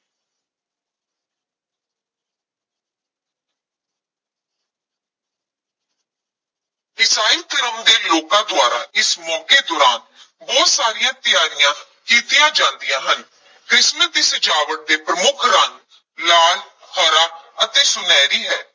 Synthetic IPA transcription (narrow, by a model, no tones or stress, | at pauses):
ɪsaːiːt̪əɾəmd̪eːloːkãːd̪ʊaːɾa̰ːɪsmɔːkeːd̪oːɾaːn | bɔːt̪saːɾɪjãːt̪ɪjaːɾɪjãː | kiːt̪ɪjãːd͡ʒãːnd̪ɪjãːɦən | kɾɪsməd̪iːsəd͡ʒaːʋəʈ̚d̪eːpɾəmʊkʰɾan | laːl | hʰɔːɾaːət̪eːsʊnɛːɾiːɦɛː